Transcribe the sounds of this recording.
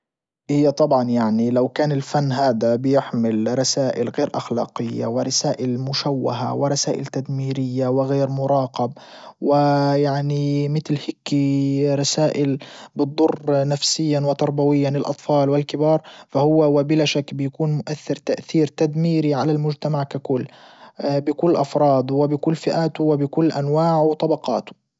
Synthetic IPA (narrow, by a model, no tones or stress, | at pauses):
hɪjːat̪ˤɑbʕɑnjaʕnilawkaːnɪlfanːɦaːd̪abɪjɪħmɪlɾˤɑsaːʔɪlɣeːɾʔaxlɑ̰ːqɪjːa̰wɪɾˤɑsaːʔɪlmʊʃawːaɦa̰wɪɾˤɑsaːʔɪlt̪ad̪miːɾɪjːawɪɣeːɾmʊɾˤɑːqɑb̚wɪjaʕnimɪt̪lhɪkːiɾˤɑsaːʔɪlbɨd̪ˤːʊrːnafsɪjːanwɪt̪ɑɾˤbawɪjːanɪlʔɑ̰t̪ˤfɑːlwɪlkɪbɑːɾˤfahʊwːawabɪlaːʃakːbɪjakuːnmʊʔaθːɪɾt̪aʔθiːɾt̪ad̪miːɾiʕalalmʊd͡ʒt̪amaʕkakʊlː | bɪkʊlːʔɑfɾˤɑːd̪ˤwɪbɪkʊlːfɪʔaːt̪ʊwɪbɪkʊlːʔanwaːʕwt̪ˤɑbɑqɑ̰ːt̪ʊ̥